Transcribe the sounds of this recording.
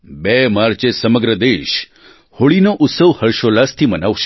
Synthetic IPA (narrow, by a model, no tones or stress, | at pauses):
bemaɾt͡ʃesəməɡɾəd̪eʃ | hoɭinoʔʊt̪səʋhəɾʃolast̪ʰimənaʋʃe